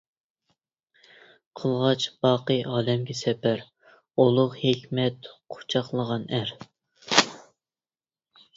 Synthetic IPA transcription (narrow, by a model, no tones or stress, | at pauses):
qʰəlˠʁɑt͡ʃbɑːqəjʔɑːlɛmɡʲɛsɛpæɾ | olˠʊqhekʲmɛt̪qʰo̥t͡ʃʰɑχlˠəʁɑnæɾ